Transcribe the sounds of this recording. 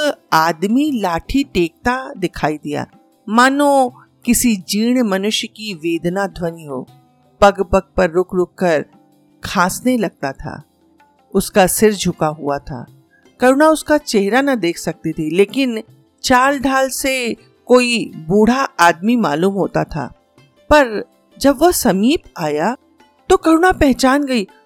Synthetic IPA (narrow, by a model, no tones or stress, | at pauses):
aːd̪milaːʈʰiʈeːk̚t̪ad̪ɪkʰaːid̪ija̰ː | maːnõ | kɪsid͡ʒiːɽ̃mɐnʊʃjkiʋeːd̪nad̪ʱwɐniɦo̰ː | pɐɡpɐɡ̚pɐɾːʊkɾʊkːəɾ | kʰãːsnelɐɡ̚t̪at̪ʰa̰ː | ʊskasɪɾd͡ʒʱʊkaɦṵat̪ʰa̰ː | kɐɾʊnaʊskat͡ʃeɦɾanɐd̪eːkʰsɐk̚t̪it̪ʰileːkɪn | t͡ʃaːlɖʱaːlse | koːibuːɽ̤aaːd̪mimaːluːmɦoːt̪at̪ʰa̰ː | pɐɾ | d͡ʒɐbʋɐsɐmiːpaːja | t̪okɐɾʊnapɛɦt͡ʃaːnɡɐiː